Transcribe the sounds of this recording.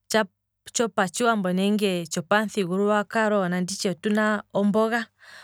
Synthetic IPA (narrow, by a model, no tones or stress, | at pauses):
t͡ʃa | t͡ʃɔpat͡ʃiwambɔnɛŋɡɛt͡ʃɔpanθiɣuɾuwakaɾɔnandit͡ʃɛtunaɔmbɔɣa